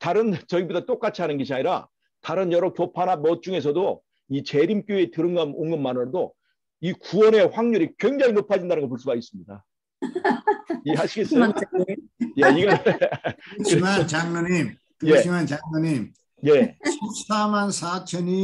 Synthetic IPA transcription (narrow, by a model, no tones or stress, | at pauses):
taɾɯnt͡ɕʌibodat͈ok͈at͡ɕʰiɦanɯnɡiɕʰiaɲiɾa̰ | taɾɯnjʌɾʌkjopʰanamʌt̚t͡ɕ͈uŋe̞s̬ʰʌdo | it͡ɕe̞ɾimk͈joe̞tɯɾɯŋɡanoŋɡɯnmːanɯɾʌdo | ikuwʌne̞ɸwaŋɲuɾikwe̞ŋd͡ʑaŋinopʰad͡ʑindanɯnɡʌpoɭs͈uɡais͈ɯmɲida | iehaɕʰiɡe̞s͈ɯ | jaiɡʌ | kɯɾmat͡ɕaŋnʌɲim | kjeimant͡ɕaŋnɯɲim | je̞ɕʰip̚sʰamansʰat͡ɕʰʌni